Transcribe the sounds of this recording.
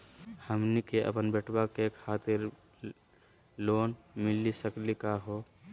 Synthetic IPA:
həmnikeʔə̰pənbeʈwakekʰaːt̪ɪɾ | loːnmɪlisəklikaɦo

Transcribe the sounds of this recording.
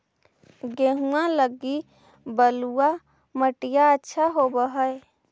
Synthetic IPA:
ɡeɦũãləɡi | bəlua | məʈijaətːʃʰaɦobəɦəe

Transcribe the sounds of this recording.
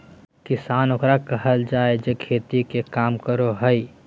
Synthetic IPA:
kɪsaːnoːkɾakəɦəld͡ʒaːed͡ʒekʰeːt̪ikekaːmkəɾoɦəi

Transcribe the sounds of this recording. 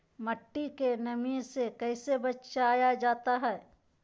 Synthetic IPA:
mɐʈːikenɐmiːzsekɛːsebɐtːʃaaːjad͡ʒaːt̪aɦɛː

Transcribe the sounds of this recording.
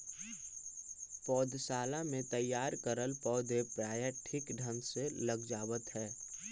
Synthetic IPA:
pɔːd̪ʱsaːlamẽt̪əjːaːɾkəɾəlpɔːd̪ʱepɾaːjaʈʰɪkɖʱə̃nseləɡd͡ʒaːʋət̪ɦɛː

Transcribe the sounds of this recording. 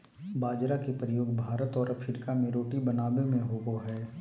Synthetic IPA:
baːd͡ʒɾakepɾəjoːɡbʱaːɾət̪ɔːɾɐpʰɪɾkamẽɾoːʈibɐnaːbemẽɦoːɡoɦɛː

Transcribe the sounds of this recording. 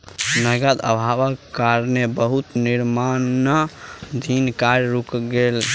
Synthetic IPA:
nəɡəd̪ə̰bʱabəkkːaɾnebəɦut̪niɾmannəd̪ʱinkaɾɾukɡel

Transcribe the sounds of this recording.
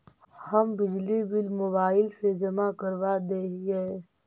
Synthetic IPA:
hɐmbɪd͡ʒlibɪlmoːbaːɪlsed͡ʒɐmakɐɾʋad̪eːɛː

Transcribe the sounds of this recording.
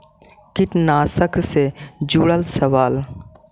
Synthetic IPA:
kɪʈnaːsəksed͡ʒuːɽəlsɐʋaːl

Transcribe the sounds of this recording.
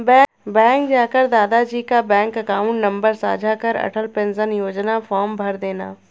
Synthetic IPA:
bɛ | bɛ̃ːŋkd͡ʒaːkəɾd̪aːd̪ad͡ʒiːkabɛ̃ːŋkəkaːʊ̃ɳʈnɐ̃mbəɾsa̰ːd͡ʒʱakəɾɐ̰ʈʰəlpẽnzənjoːd͡ʒnafɔːɾmbʱɐɾd̪eːnaː

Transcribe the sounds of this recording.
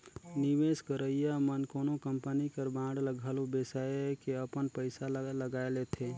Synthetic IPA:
niʋeskəɾəijamənkoːnokəmpənikəɾbãːɽləɡʱalobesakeəpənpəɪsaləɡaːelet̪ʰe

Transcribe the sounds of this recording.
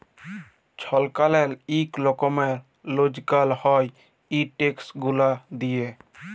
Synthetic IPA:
t͡ʃʰɔlkalɛliklɔkɔmɛɾ | lod͡ʒkalhɔj | iʈeksɡulad̪ije

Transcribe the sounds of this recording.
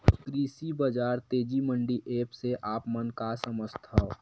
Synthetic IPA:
k̪ɾiːsibəd͡ʒaːɾt̪eːd͡ʒimə̃ɳɖiʔeːpseʔaːpmənkasəməst̪ʰao

